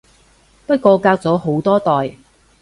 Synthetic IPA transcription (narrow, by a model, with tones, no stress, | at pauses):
pɐ˥t̚kɔː˧kaː˧k̚t͡sɔː˨˥ɦo˨˥wt̪ɔː˥t̪ɔː˨˩j